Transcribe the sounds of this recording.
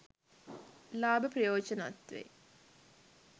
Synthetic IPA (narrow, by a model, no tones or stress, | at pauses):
laːbəprəjoːd͡ʒəna̰t̪ʋḛ